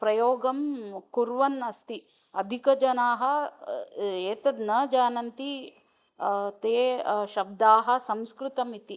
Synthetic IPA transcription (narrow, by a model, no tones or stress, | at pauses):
pɾɐjoːɡɐmkuɾʋɐnɐst̪i | ɐd̪ʱikɐd͡ʒɐnaːɦɐ̆ | eːt̪ɐd̪nɐd͡ʒaːnɐnt̪i | t̪eːʃɐb̚d̪aːɦɐ̆sɐmskɾɪt̪ɐmit̪i